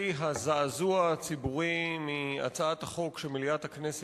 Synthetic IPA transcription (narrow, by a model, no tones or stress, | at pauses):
ɦazaazuat͡sibuʁimia̰t͡saathaχo̞kʃemiliathaknes